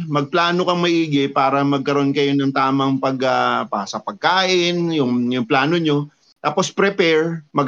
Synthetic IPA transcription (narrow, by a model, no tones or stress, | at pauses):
mɐɡ̚plaːno̞kɐŋmɐʔiːɡɪpaːɾɐmɐɡ̚kɐɾo̞nkɐjonɐŋt̪aːmɐŋpɐɡɐpɐsɐpɐɡ̚kaːʔɪnjʊŋjʊŋplaːno̞ɲo̞ | t̪aːpo̞spɾɛpɛɹmɐɡ